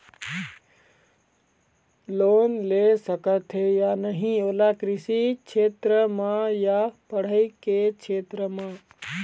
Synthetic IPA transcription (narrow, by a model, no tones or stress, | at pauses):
loːnlesəkət̪ɦejanəɦĩoːlakɾɪsikt͡ʃʰeːt̪ɾəmãjapəɽ̤əiket͡ʃʰeːt̪ɾəmãː